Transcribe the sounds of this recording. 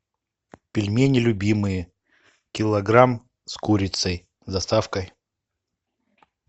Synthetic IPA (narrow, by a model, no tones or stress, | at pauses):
pʲɪlʲmʲenʲɪlʲʊbʲimɨjə | kʲɪlˠɐɡɾam | skuɾʲɪt̪səj̪ | d̪ɐst̪afkəj